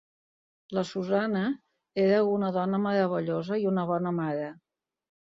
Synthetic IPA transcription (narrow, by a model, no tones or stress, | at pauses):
ləsuzanə | eɾəunəðɔnəməɾəβ̞əʎozəiunəβɔnəmaɾə